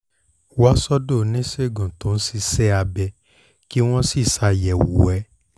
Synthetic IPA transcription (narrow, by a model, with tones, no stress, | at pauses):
wa˦sɔ˦do˦˨˦nĩ˦se˦˨ɡũ˨tõ˨˦n̩˦si˦˧sɛ˦a˧bɛ˧ | ki˦w̃ɔ̃˦si˦˨sa˧˨jɛ˨wṵ˨ɛ˨˦